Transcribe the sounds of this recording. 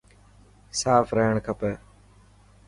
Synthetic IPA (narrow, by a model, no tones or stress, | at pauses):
saːfɾəɦəɳkʰəpəː